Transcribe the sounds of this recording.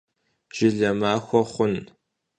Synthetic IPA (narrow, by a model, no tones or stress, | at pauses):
ʒ̥ɪɮɐmaːxʷɔχʷʊn